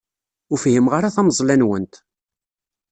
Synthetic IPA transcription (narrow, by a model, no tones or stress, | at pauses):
ʊɾfhimʁaɾaθæmzˤlænwənt̪